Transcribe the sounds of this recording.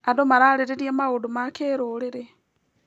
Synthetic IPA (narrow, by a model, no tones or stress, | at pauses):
adomaɾaliɾeɾjamaɣudumakeːɾuliɾe